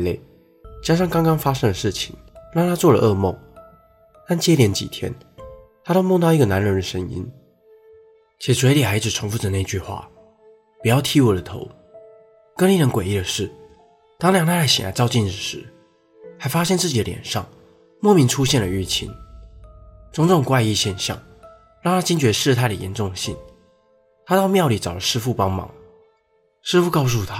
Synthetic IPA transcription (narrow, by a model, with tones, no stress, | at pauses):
le˥˩ɪ | t͡ɕja˥ʂ̬ɑ˥˩ŋkɑ˥ŋkɑ˥ŋfa˥ʂɤ˥ŋd̪ə˨ʂɻ̩˥˩t͡ɕʰḭ˨˩˦ŋɻɑ˥˩ŋt̪ʰa˥t͡swɔ˥˩lə̰˩ʔɤ˥˧mo̰˥˩ʊ | t̪a˥˩nt͡ɕjɛ˥ljɛ˧˥nt͡ɕḭ˨˩t̪ʰjɛ̰˥n | t̪ʰa˥t̪o˥˧ʊmo˥˧t̪a˥˩˧i˥ɡə˨na˧˥nɻə˧˥nd̪ə˨ʂə˥ŋḭ˥n | t͡ɕʰjɛ˨˩swe˧˥ɪli˨˩xa˧˥ɪd͡zɹ̩˨˩ʈ͡ʂʰʊ˧˥ŋfu˥˩ʈ͡ʂə˨˩˦ne˥˧ɪi˧t͡ɕy˥˧xwa̰˥˩ | pu˨˩jɑ˥˩ʊt̪ʰi˥wɔ˨˩d̪ə˩˦t̪ʰo̰˧˦ʊ | kə˥nli˧˥ɻə˧˦nkwe˨˩ɪi˥˩d̪ə˩ʂɻ̩˥˩ | t̪ɑ˥ŋljɑ˨˩ŋt̪a˥la˥˩ɕḭ˨na̰˧˥t͡sɑ˥˧ʊt͡ɕi˥˧nɻ̩˨˩ʂɻ̩˧˦ | ha˧˥ɪfa˥ɕjɛ˥˧nt͡sɹ̩˥˩t͡ɕi˨˩d̪ə˦ljɛ̰˨˩nʂɑ̰˥˩ŋ | mwɔ˥˩mi˧˥nʈ͡ʂʰu˥ɕjɛ˥˩nlə˨˩y˥˩t͡ɕʰḭ˧˥n | t͡sʊ˥ŋʈ͡ʂʊ˥˩ŋkwa˥˧ɪi˥˧ɕjɛ˥˧nɕjɑ̰˥˩ŋ | ɻɑ˥˩ŋt̪ʰa˥t͡ɕi˥nt͡ɕɥɛ˧˥ʂɻ̩˥˧t̪ʰa˥˩ɪd̪ə˨˩jɛ̰˧˥nʈ͡ʂʊ˥˩ŋd̪ə˩ɕḭ˥˩n | t̪ʰa˥t̪ɑ˥˧ʊmjɑ˥˩ʊli˨˩t͡sɑ˨˩ʊlə˦ʂɻ̩˥fu˥˩pɑ˥ŋmɑ̰˧˥ŋ | ʂɻ̩˥fu˥˧kɑ˥˧ʊs̬u˥˩t̪ʰa˦